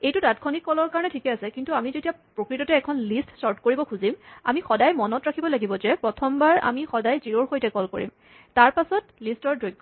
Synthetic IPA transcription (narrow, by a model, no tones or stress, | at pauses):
ejtudatkʰonikːɔlɔɹkaɹɔnɛtʰikɛasɛkintuamizetiapɹokɹitɔtɛːkʰɔnlistsɔɹtkoɹibɔkʰuzima̰mixɔdajmɔnɔtɹakʰibɔlaɡibɔzɛpɹɔtʰɔmbaɹa̰mixɔdajziɹoɹxojtɛkɔlko̰ɹḭm | taɹpasɔtlistɔɹdɹojɡːɔ